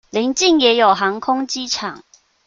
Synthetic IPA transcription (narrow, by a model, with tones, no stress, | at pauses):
li˨˧˥ŋt͡ɕi˥˨ŋjɛ˨˥jo˨˩wɦa˨˧˥ŋkʰʊ˥ŋt͡ɕi˦˥t͡sʰa̰˨˩ŋ